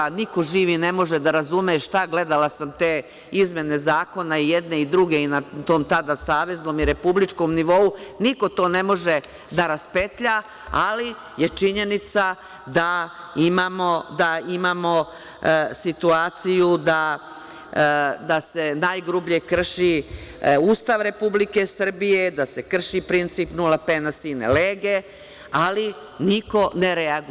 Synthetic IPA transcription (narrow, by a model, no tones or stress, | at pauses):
niko̞ʒiːʋine̞mo̞ʒed̪aɾazumeʃt̪aɡle̞d̪alasamt̪eː | izmʲje̞ne̞zaːko̞naijed̪ne̞id̪ɾuɡe̞inat̪o̞ːmt̪ad̪asaːʋe̞zno̞ːmiɾe̞publit͡ʃko̞mniʋo̞uniko̞t̪o̞ːne̞mo̞ʒe̞ | d̪aɾaspet̪ʎa | ali | je̞t͡ʃiɲe̞nit̪sa | d̪aimamod̪aimaːmo̞ | sit̪uaːt̪sijud̪a | d̪asenajɡɾubʎiekr̩ʃi | uːst̪aʋɾe̞publikesr̩bije̞d̪asekr̩ʃipɾint̪siːpnulapenasinḛleːɡe̞ | ali | niko̞neɾeaɡ